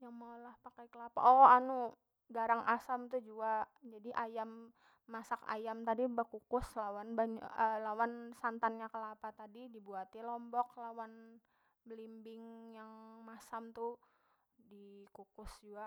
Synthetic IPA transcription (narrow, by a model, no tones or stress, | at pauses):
jaŋmaulahpakajkəlapa̰ʔɔanu | ɡaɾaŋasamt̪ud͡ʒuad͡ʒadiʔajamː | asaka̰jamt̪adibəkukʊslawanbaɲa̰əlawansant̪anɲakəlapat̪adidibuat̪ilɔmbɔk̚lawan | bəlimbɪŋjaŋmasamt̪u | dikukʊsd͡ʒua